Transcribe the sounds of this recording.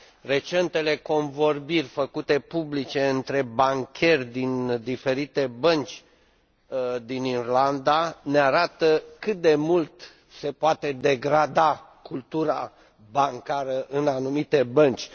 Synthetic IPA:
re̞t͡ʃe̞nt̪e̞le̞ko̞nvo̞rbirʲfəkut̪e̞publit͡ʃe̞ɨnt̪ɾe̞baŋkʲe̞rʲd̪ind̪ife̞ɾit̪e̞bənt͡ʃʲ | d̪inirland̪aneaɾat̪əkɨt̪̚d̪e̞mult̪ | se̞poat̪e̞d̪e̞ɡɾad̪akult̪uɾa | baŋkaɾəʔɨnanumit̪e̞bənt͡ʃʲ

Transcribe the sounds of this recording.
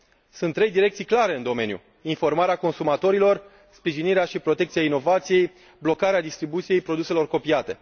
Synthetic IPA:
sunt̪ːɾe̞jd̪iɾe̞k̚t̪sijklaɾe̞ɨnd̪o̞me̞njṵ | info̞rmaɾeako̞nsumat̪o̞ɾilo̞r | spɾiʒiniɾeaʃipɾo̞t̪ekt̪sijaino̞vat̪sije̞j | blo̞kaɾead̪ist̪ɾibut̪sije̞jpɾo̞d̪use̞lo̞rko̞piat̪e̞

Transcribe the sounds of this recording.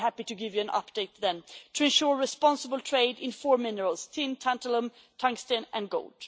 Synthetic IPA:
ɦæpiɾɨɡɪvjɨɨ̃nʔʌ̰p̚d̥eɪt̪̚ðɨ̃ntʰɨɨ̃nʃʊɹɹɨspɑ̃nsəbl̩ˠtʰɹ̥eɪɾɪ̃nfɔɹmɪ̃nəɹəl̩ˠz̥tʰɪ̃ntʰæ̃ntələ̃m | tʰʌ̃ŋstɨ̃nʔɨ̃nɡo̰ʊlˠd̥

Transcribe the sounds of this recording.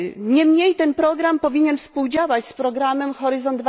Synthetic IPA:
ɲɛmɲejt̪ɛnpɾɔɡɾampɔvʲiɲɛnfspuwd͡ʑawat͡ɕspɾɔɡɾamɛmxɔɾɘzɔnd̪v

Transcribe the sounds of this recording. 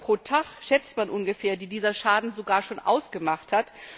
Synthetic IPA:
pʁ̥oːtʰaχʃɛt͡stmanʔʊnɡəfeːɐdiːdiːzɐʃaːdn̩zoɡaːɐʃoːnʔa̰ʊsɡ̥əmaχthat

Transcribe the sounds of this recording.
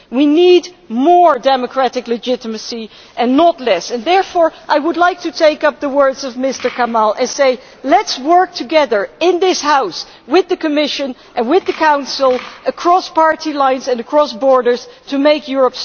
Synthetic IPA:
winid | mɔɹdɛmɨkʰɹ̥æɾɨklɨd͡ʒɪɾəmɨsi | ʔɨ̃nːətˡlɛsɨ̃nðɛɹfɔɹʔaɪwədˡlaɪk̚tʰɨtʰeɪkʌp̚ðəwɜ˞dzʌvmɪstə˞kʰamalˠʔɨ̃nseɪ | lɛtswɜ˞k̚tʰɨɡɛðə˞ɪ̃nðɪshaʊs | wɪðɨkɨmɪʃɨ̃nʔɨ̃nwɪðɨkʰãʊ̃nsl̩ˠəkʰɹ̥ɔspɑɹtilãɪ̃nzɨ̃nɨkʰɹ̥ɔsbɔɹɾə˞z̥tʰɨmeɪkjʊɹəps

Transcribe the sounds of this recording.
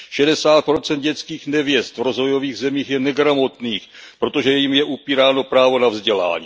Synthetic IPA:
ʃɛdɛsaːt̪̚pɾo̞t͡sɛnt̪̚ɟɛt͡skiːxnɛvjɛst̪vɾo̞zvo̞jo̞viːɣzɛmiːxjɛnɛɡɾamo̞t̪niːxpɾo̞t̪oʒɛjjimjɛʔupiːɾaːno̞pɾaːvo̞navzɟɛla̰ːɲiː

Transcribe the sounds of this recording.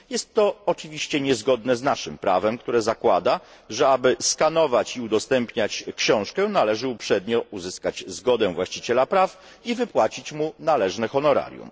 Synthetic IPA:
jɛst̪ːɔɔt͡ʂɘvʲiɕt͡ɕɛɲɛzɡɔd̪nɛznaʂɘmpɾavɛmkt̪uɾɛzakwad̪aʐɛabɘskanɔvat͡ɕiud̪ɔst̪ɛmpɲat͡ɕkɕɔ̃w̃ʂkɛnalɛʐɘupʂɛd̪ɲɔuzɘskat͡ɕzɡɔd̪ɛvwaɕt͡ɕit͡ɕɛlapɾaf | ivɘpwat͡ɕit͡ɕmunalɛʐnɛxɔnɔɾa̰ɾʲjṵm

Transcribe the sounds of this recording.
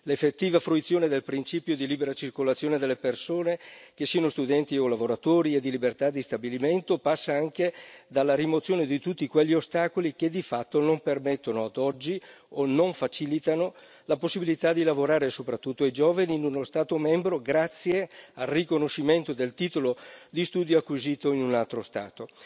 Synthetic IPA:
lefːet̪ːiːvafɾuit̪sːjoːned̪elpɾint͡ʃiːpjod̪iliːbeɾat͡ʃirkolat̪sːjoːned̪elːepersoːnekesːianost̪ud̪ɛnt̪iolavoɾat̪oːɾied̪ilibert̪ad̪ːist̪abiliment̪opasːaaŋked̪alːaɾimot̪sːjoːned̪it̪ut̪ːikweʎːiost̪aːkolik̟ed̪ifat̪ːonompermet̪ːonoad̪ɔd͡ʒːi | onoɱfat͡ʃilit̪ano | laposːibilit̪ad̪ilavoɾaːɾesopɾat̪ːut̪ːoajd͡ʒoːvaniːnunost̪aːt̪omɛmbɾoɡɾat̪sːjealrikonoʃːiment̪od̪elt̪iːt̪olod̪ist̪uːd̪joakːwiziːt̪oinunalt̪ɾost̪a̰ːt̪o

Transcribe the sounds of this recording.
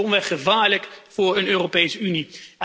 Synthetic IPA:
ɔnʋɛχəvaːɹləkfʊːɹənøːropejsəyni

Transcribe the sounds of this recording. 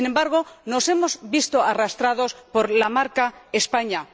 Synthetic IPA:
ine̞mbaɾɣ̞ono̞se̞mo̞zβist̪oarast̪ɾað̞o̞spo̞ɾlamaɾkaespaɲa

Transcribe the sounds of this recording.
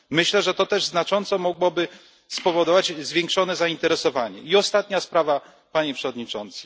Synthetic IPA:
mɘɕlɛʐɛt̪ɔt̪ɛʐznat͡ʂɔnt̪sɔmɔɡwɔbɘ | spɔvɔd̪ɔvad͡ʑzvʲjeŋkʂɔnɛzaint̪ɛɾɛsɔvaɲɛ̰iɔst̪at̪ɲaspɾava | paɲɛpʂɛvɔd̪ɲit͡ʂɔnt̪sɨ̥

